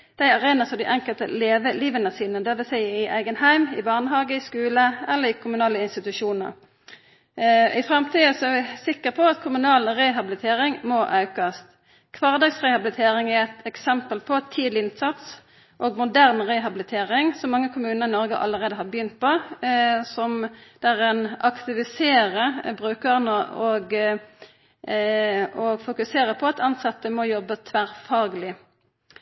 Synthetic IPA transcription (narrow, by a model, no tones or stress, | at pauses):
d̪̥æɪɑʁeːnəsɔd̪ɪʔɛŋkəlt̪ə̰leːʋəliːʋənəsiːnəd̪ɛʋɛsæɪɪʔæ̰ɪɡənhæɪmɪ̰bɑʁnəɦɑːɡəɪskʉːləɛlːəʁɪkʰʊmʉnɑːləɪnst̪ɪt̪ʉʃuːnə̰ʁ | ɪfʁɑmt̪ʰiːəsɔɛɾʋɪsɪkːəpʰɔɑt̪kʰʊmʉnɑːlʁɛɦɑbɪlɪt̪ʰeːʁɪŋmoʔɑʉkɑst̪ | kʰʋɑːʁd̪ɑːɡsʁɛhɑbɪlɪt̪ʰeːʁɪŋæʁɛt̪ʰɛksɛmpəlpʰɔt̪ʰiːd̪lɪɪnːt̪sɑt̪s | ʔoːɡmʊd̪æʁnʁɛɦɑbɪlɪt̪ʰeːʁɪŋsɔmːɑŋːəkʰʊmʉːnəʁɪnɔʁɡə̰ʔɑ̰lːəʁeːd̪əɦɑʁbəjʏnt̪̚pʰɔ | sɔmd̪̥ɛæːʁɛnʔɑkt̪ɪʋɪseːʁəbʁʉːkəʁənəoɡ | ɔɡfʊkʉseːʁəpʰɔɑt̪ʰɑnsɑt̪əmɔjɔbːət̪ʰʋæːʁfɑːɡlɪ